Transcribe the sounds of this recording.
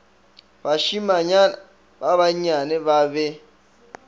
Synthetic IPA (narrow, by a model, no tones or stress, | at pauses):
baʃimaɲana | baβaɲanɛβaβɛ